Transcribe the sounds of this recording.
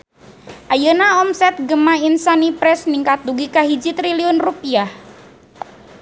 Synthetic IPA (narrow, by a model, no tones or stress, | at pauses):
ʔajənaɔmsɛt̪̚ɡəmainsanipɾɛsniŋkat̪̚duɡikaɦid͡ʒit̪ɾiliɔnrupiah